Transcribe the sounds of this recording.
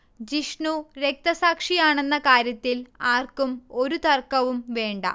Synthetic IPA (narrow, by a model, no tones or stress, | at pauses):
d͡ʑiʂɳuɾe̞k̚t̪ɐsaːkʂijaːɳe̞nːɐkaːɾjɐt̪ːilaːrkumo̞ɾut̪ɐrkɐʋumʋe̞ːɳɖɐ̰